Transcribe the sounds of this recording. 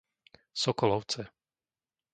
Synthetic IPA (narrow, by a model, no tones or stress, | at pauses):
sɔkɔlɔʊt͡sɛ